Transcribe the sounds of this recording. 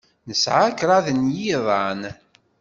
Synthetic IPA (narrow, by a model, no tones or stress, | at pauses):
nəsʕakɾˤɑðənjiðˤɑn